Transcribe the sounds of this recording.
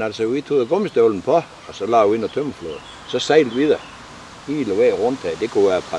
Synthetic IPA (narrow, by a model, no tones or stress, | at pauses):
nælsəʋit͡sʰuːðˠɡ̥ɔmsd̥øln̩pʰɒ | ɒsɒ̽lɑ̰ːʋie̝nætʰømflo̰ð̩ˠ | sɒ̽seɪld̥ʋiðæ | hiːlɔʋeʁɔn̰d̥hɛd̥ekʰuʋæɐpʰɑ